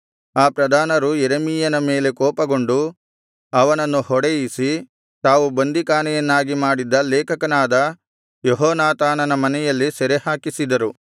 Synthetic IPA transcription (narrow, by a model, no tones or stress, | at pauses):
aːpɾɐd̪ʱaːnɐɾujeɾemijɐnɐmeːle̞kɔːpɐɡo̞ɳɖu | ɐʋɐnɐnːuhɔɽejisi | t̪aːʋubɐnd̪ikaːnɛjɐnːaːɡimaːɽid̪ɐlɛːkɐkɐnaːd̪ɐ | jɔɦɔːnaːt̪aːnɐnɐmɐnɛjɐlːisɛɾehaːkisid̪ɐɾu